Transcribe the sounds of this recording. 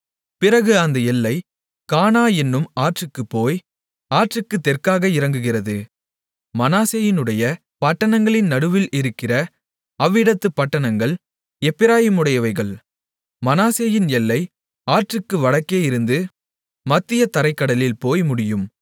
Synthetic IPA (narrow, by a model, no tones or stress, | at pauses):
pɪɾɐɣɯɐnd̪ɐɛlːɐɪ | kaːnaːɛnːɯmaːʈrɯkːɯpːoːj | aːʈrɯkːɯt̪ːɛrkaːɣɐɪɾɐŋɡɯɣɪrɐðɯ | mɐnaːseːjɪnɯɽɐjɐ | pɐʈːɐɳɐŋɡɐɭɪnnɐɽɯʋɪlɪɾɯkːɪrɐ | ɐʋːɪɽɐt̪ːɯpːɐʈːɐɳɐŋɡɐɭ | ɛpːɪɾaːjɪmɯɽɐjɐʋɐɪɣɐɭ | mɐnaːseːjɪnɛlːɐɪ | aːʈrɯkːɯʋɐɽɐkːeːjɪɾɯnd̪ɯ | mɐt̪ːɪjɐt̪ɐɾɐɪkːɐɽɐlɪlpoːjmʊɽɪjɯm